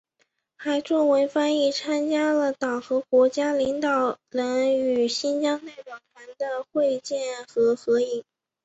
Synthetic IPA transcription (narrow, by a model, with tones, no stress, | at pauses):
xa˧˥ɪʈ͡ʂʊ˥˩ŋwe˧˥ɪfa˥ni˥˩t͡sʰa˥nt͡ɕja˥lə˨t̪ɑ˨˩ŋxɤ˧˥kwɔ˧˥t͡ɕja˥li˧˥ŋt̪ɑ˨˩ʊlə˧˥ny˨˩ɕi˥nt͡ɕjɑ˥ŋne˥˩ɪwɑ˨˩t̪ʰwa˧˥nd̪ə˧xwe˥˧ɪt͡ɕjɛ˥˩nxɤ˧˥xɤ˧˥i˨˩˦ŋ